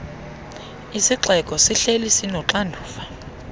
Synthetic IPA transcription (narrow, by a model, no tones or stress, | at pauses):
isiǁɛkʼɔsiɬelisinɔǁandʱuːfa